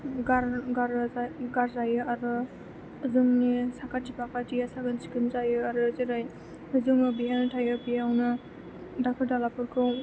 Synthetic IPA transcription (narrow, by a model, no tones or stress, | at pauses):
ɡaɾɡaɾɡaɾzajɯaɾɯ | zɯŋnisakatipakatiasaɡɯnsi̥kɯnzajɯaɾɯzɯɾaj | ɯzuŋɯbiɦantʰajɯpijawnɯ | dakʰɯɾdalapɯɾkʰɯw